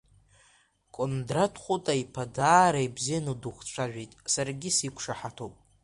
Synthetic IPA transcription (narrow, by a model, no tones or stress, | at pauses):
kʷʼondratʰχʷutʼaipʰadaːɾajbzijanuduχt͡ʃʷʰaʒᶣejtʼsarɡʲisikʷʰʂaħatʰowpʼ